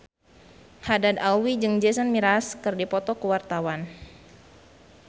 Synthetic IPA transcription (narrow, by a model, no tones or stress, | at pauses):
hadad̪alwid͡ʒɨŋd͡ʒɛsənmiɾaskɨrdipɔt̪ɔkəwart̪awan